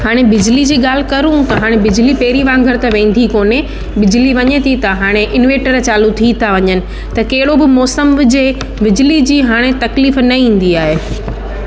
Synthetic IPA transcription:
haːɽ̃ebɪd͡ʑlid͡ʑiːɠaːl̤ɪ̆kɐɾũt̪ɐɦaːɽ̃ebɪd͡ʑlipeːɾiʋãːŋɡʱəɾt̪ɐʋẽːn̆d̪ʱikoːne | bɪd͡ʑliʋɐɲet̪ʰit̪ɐɦaːɽ̃eʔɪnʋẽːʈəɾt͡ɕaːlut̪ʰit̪ʰaʋɐɲənɪ̆ | t̪ɐkɐɦɪɽobɪmɔːsəmɪd͡ʑe | bɪd͡ʑlid͡ʑiːɦaːɽ̃et̪ɐkliːfnɐĩːn̆d̪iaːɦeː

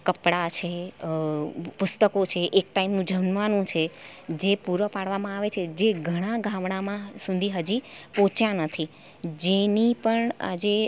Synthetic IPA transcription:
kəpɽat͡ʃʰe | pʊst̪əkot͡ʃʰeʔek̚ʈaimnũd͡ʒʱəʋnʋanũt͡ʃʰe | d͡ʒepuɾʋəpaɽ̤ʋamãaʋet͡ʃʰed͡ʒeɡʱəɽ̃aɡʱãmɽ̃amãsũnd̪ʱiɦəd͡ʒipõt͡ʃjãnət̪ʰi | d͡ʒenipəɳa̰d͡ʒe

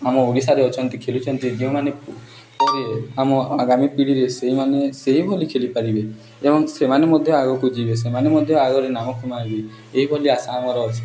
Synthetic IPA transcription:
amɔoɾisaɾeɔt͡ʃʰɔnt̪ikʰelut͡ʃʰɔnt̪id͡ʒiw̃mane | pɔɾieamɔaɡamipiɽiɾeseɦimaneseɦibʱɔlikʰelipaɾibe | ebɔŋsemanemɔd̪ʱjɔaɡɔkud͡ʒibes̬emanemɔd̪ʱjɔaɡɔɾenamɔkʰɔmaibi | eɦibʱɔliasaːmɔɾɔɔt͡ʃʰi̥

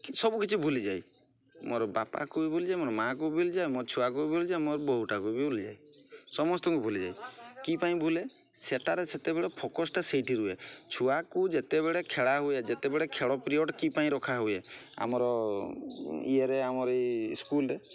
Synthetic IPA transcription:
sɔbukit͡ʃʰibʱulid͡ʒaj | moɾɔbapa̰kuibʱulid͡ʒajmoɾɔmakubʱulid͡ʒajmoɾt͡ʃʰuakubʱulid͡ʒajmoɾɔbɔɦuʈakubibʱulid͡ʒa̰jsɔmɔst̪ɔŋkubʱulid͡ʒa̰jkipaĩbʱule | seʈaɾeset̪ebeɭepʰɔkɔsʈasejʈiɾuet͡ʃʰuakud͡ʒet̪ebeɭekʰeɭaɦued͡ʒet̪ebeɭekʰeɽɔpɾioʈkipaĩɾɔkʰaɦuea̰mɔɾɔ | ḭeɾeamɔɾejskulɾe

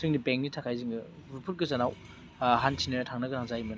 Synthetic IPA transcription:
sɯŋnibeŋk̚nitʰakʰajziŋɡɯ | upʰut̚ɡɯzanaw | ɦantʰinɯtʰaŋnɐɡɯnaŋzajmɯn

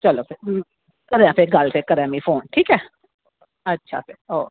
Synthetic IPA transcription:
t͡ʃəloːpɪɾ | kəɾjãːpʰeɾɡəlpʰeɾkəɾãːmĩːpʰoːnʈʰiːkɛː | ətːʃʰa̰ːpɪɾoː

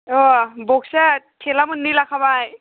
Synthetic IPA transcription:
ɔbɔksatʰɛlamɯnːilakʰabaj

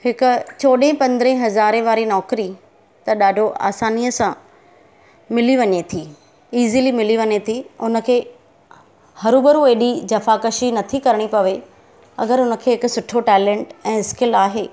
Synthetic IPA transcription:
hɪkʊ̆t͡ɕoːɗɦẽpɐ̃nd̪ɾɦẽɦɐzaːɾẽʋaːɾinɔːkɾi | t̪ɐɗaːɖʱoʔa̰ːsaːnijəsã | mɪliʋɐɲet̪ʰiː | iːziːlimɪliʋɐɲet̪ʰiʊnə̆kʰeː | hɐɾubəɾueːɗid͡ʑɐfakəʃinɐt̪ʰikɐɾɪɽ̃ipɐʋe | ɐ̰ɡəɾʊnə̆kʰeːɦɪkʊsʊʈʰoʈɛːlẽːɳʈɛ̃ːskɪlaːɦeː

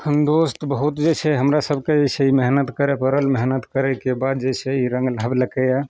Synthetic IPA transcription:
kʰənd̪ost̪bəɦut̪d͡ʒesʰɛɦəmɾasəbʱked͡ʒeseimeɦnət̪kəɾepəɾəlmeɦnət̪kəɾɛkebad̪̚d͡ʒeɪsɛiɾəŋɡlabləkɛja

